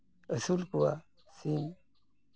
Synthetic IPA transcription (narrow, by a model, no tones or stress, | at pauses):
əsulkuwa | sin